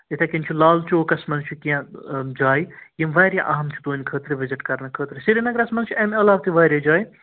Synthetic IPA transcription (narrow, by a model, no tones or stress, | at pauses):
et̪ʰakinʲt͡ʃʰulaːlt͡ʃoːkɐsmɐnzt͡ʃʰukiãd͡ʒaːjjimʋaːɾʲjaʔaːmt͡ʃʰu̥t̪oːnʲkʰəːt̪ɾɨʋɪzɪʈkɐɾnɐkʰəːt̪ɾɨsiɾinɐɡɾɐsmɐnzt͡ʃʰuɐmɐlaːbt̪ʰiʋaːɾjad͡ʒaːj